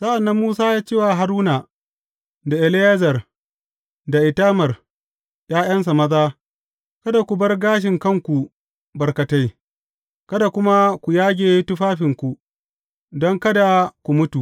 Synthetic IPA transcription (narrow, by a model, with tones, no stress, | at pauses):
sa˦ʔa˨nːɐ˦mːuː˦saː˦jaː˦t͡ʃeː˦˨wa˨ɦa˨ɾuː˦na˨ | da˨ʔɛ˨lɪ˦jɐ˦zɐ˨r | da˨ʔɪ˨taː˦mɐ˨r | j̰aː˦j̰ɐ˦ns̬a˨mɐ˦zaː˦ | kɐ˦da˨kʷu˨bɐ˦rɡaː˦ʃ̬ɪ˨ŋkɐ˦˨ŋkʷu˨ | bɐ˨rkɐ˨ta˦j | kɐ˦da˨kʷʊ˦ma˦kʷu˨jaː˦ɡʲeː˨˦tʊ˦ɸaː˦ɸɪ˨ŋkʷu˨ | dɔ˦ŋkɐ˦da˨kʷu˨mʊ˦tu˨ʔ